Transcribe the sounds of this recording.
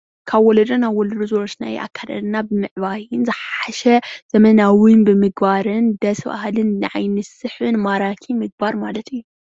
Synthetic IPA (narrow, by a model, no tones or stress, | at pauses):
kʰaβwɔlɐd̪ɐnaβwɔlɐd̪uzoɾot͡ʃna̰jʔa̰kʰːad̪ɐ̰lnabɨmɨʕβajɪnzɨħaʃɛz̥ɐmɐnawinbɨmɨɡbaɾɨnd̪ɐsba̰hlɨnːɨʕajnɨsɨħɨnmaɾakʰimɨɡ̚baɾmalɐt̪ɨjːu